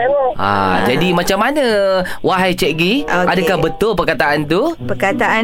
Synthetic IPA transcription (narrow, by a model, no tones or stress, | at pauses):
a̰d͡ʒadimãt͡ʃamːanə̃waɦajt͡ʃɛʔɡiʔadakahbət̪ʊlpərkat̪aʔant̪upəkat̪aa